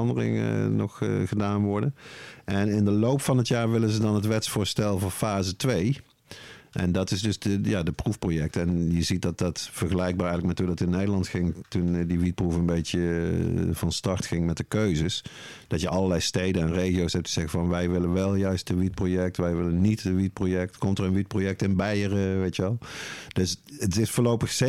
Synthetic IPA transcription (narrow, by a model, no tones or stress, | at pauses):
ɑndərɪ̰ŋ̰nɔχχədaːnʋɔɹdənʔɛnɪndəlowpfɑnɦətjaːɹʋɪlənzədɑnɦətʋɛtsfʊːɹstɛlˠvʊːfaːzətʋej | ʔɛ̰ndɑtɪzdɵsdəjaːdəprufprojɛk̚tɛnjəzit̚dɑt̚dɑtfəɹχəlɛjɡ̚baːɹɛjɣələk̚mɛtudɑtɪnejdəlɑntxɪŋtundiʋit̚prufənbejtə | v̥ɑnstɑɹtxɪŋmɛt̚dəkøɥzəs | d̥ɑtjəʔɑlˠəlɛjstejdənɛnrejɣijowsɦɛp̚tʰəz̥ɛɣəvɑnʋɛjʋɪlənʋɛlˠjœɥst̚dəʋit̚projɛk̚tʋɛjʋɪlənnːitəʋit̚projɛk̚tkɔmtəɹənʋit̚projɛk̚tɪnbɛjərəʋejtəʋɛlˠd̥øsətɪsfʊːɹlowpəxse